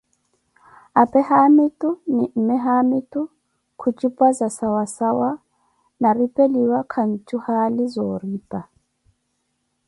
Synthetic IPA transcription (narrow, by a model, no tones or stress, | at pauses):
apʼɛhamitʼunim̩mɛɦamitʼu | kʰut͡ʃʼipʼwazasawasawa | naripʼeliwakʰan̩t͡ʃʼuhalizɔːriːpʼa